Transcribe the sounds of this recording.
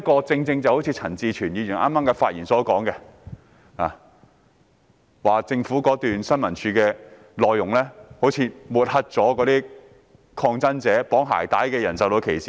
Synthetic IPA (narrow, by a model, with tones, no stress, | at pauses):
kɔː˧t͡sɪ˧ŋt͡sɪ˧ŋt͡sɐ˨˩who˨˥wt͡sʰiː˧t͡sʰɐ˨˩nt͡siː˨˧t͡ʃʰyː˨˩njiː˨˧ji˨˩nʔa̰ː˥maː˥mkɛ˧faː˧t̚jiː˨˩nsɔː˨˥kɔː˨˥ŋkɛ˧ | aː˨˩ | waː˨t͡sɪ˧ŋfuː˨˥kɔː˨˥t̪yː˨nsɐ˥nmɐ˨˩nt͡ʃʰyː˧kɛː˧ | lɔː˨jːʊ˨˩ŋlɛː˥ho˨˥wt͡sʰiː˨˧muː˨t̚hɐ˥t̚t͡sɔː˨˥kɔː˨˧˥t̪iː˥ | kʰɔː˧ŋt͡sɐ˥nt͡sɛː˨˥pɔː˨˥ŋɦa̰ː˨˩jt̪aː˨˥jkɛː˧jɐ˨˩nsɐ˨˧wt̪o˧wkʰe˨˩jsiː˨˩